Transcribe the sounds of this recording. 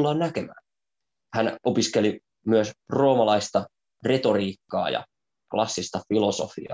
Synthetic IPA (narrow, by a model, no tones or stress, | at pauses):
lːɑːnnækemæ̰ːn | hæno̞piskeli | myøsro̞ːmɑlɑist̪ɑ | re̞t̪o̞riːkːɑ̰ːjɑ̰ | klɑsːist̪ɑfiloso̰fḭɑ̰